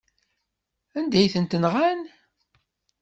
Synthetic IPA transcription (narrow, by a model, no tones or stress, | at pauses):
ænd̪æjθənt̪ənʁæn